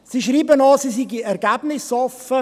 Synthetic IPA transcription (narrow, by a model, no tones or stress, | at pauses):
siːʃɾiːbənɑsisiɡiɛɾɡæbnɪsɑfə